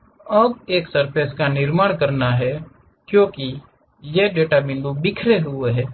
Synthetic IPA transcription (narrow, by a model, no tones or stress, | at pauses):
ɔːbeːksəɾpʰeːskanɪɾmaːɽ̃kɐɾnaɦɛ | kjõːki | jeɖeːʈabɪ̃nd̪ubɪkʰɾeɦʊeɦɛː